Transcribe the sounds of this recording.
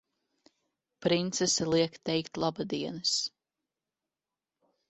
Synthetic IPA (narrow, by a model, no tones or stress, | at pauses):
pɾint̪sɛsɛlˠiɛkt̪ɛjkt̪ʲlˠabad̪iɛnɨs